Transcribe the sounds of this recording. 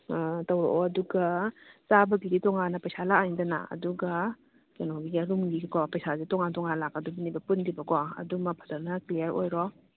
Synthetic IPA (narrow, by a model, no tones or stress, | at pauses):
tawɾɔ̰ʔɔɐduɡɐsabɐɡiditɔŋanɐpɐjsalak̚aŋidana̰ɐ̰duɡɐ | kenoɡiɡaɾumɡikɔpɐjsazitɔŋantɔŋanlakadubɐnibɐpundibɐkɔɐ̰dumɐk̚pʰḁtanɐklijɐɾo̰jɾɔ